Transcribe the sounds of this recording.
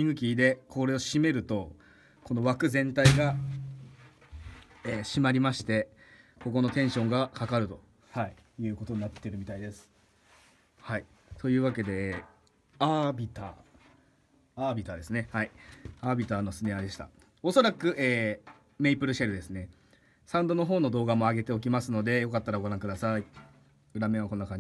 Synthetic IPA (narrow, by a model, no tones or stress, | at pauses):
ĩŋɡɯ̟k̬ʲiːd̪e̞kʰo̞ɾe̞o̞ɕime̞ɾɯ̟t̪o̞ | kʰo̞no̞βakɯ̟zẽ̞nt̪aiɡa | eːɕimaɾʲimaɕi̥t̪e̞ | ko̞ko̞no̞t̪ẽ̞ɰ̃ɕõ̞ŋɡakakaɾɯ̟t̪o̞ | hai | jɯ̟ːko̞t̪o̞ɲ̟inat̪ːe̞ɾɯ̟mʲit̪aid̪e̞sɨ̥ | hai | t̪o̞jɯ̟ːβake̞d̪e̞ː | abʲit̪aː | aːbʲit̪aːd̪e̞sɨne̞haiaːbʲit̪aːno̞sɨnead̪e̞ɕi̥t̪a̰ | o̞so̞ɾakɯ̟ʔeː | meipɯ̟ɾɯ̟ɕaɾɯ̟d̪e̞sɨne̞ | sãɯ̃nd̪o̞no̞ɦo̞ːno̞d̪o̞ːɡamo̞aɡe̞t̪e̞o̞k̬ʲimasɨno̞d̪e̞jo̞kat̪ːaɾaɡo̞ɾãŋkɯ̟d̪asai | ɯ̟ɾamẽ̞βako̞nːakaɲ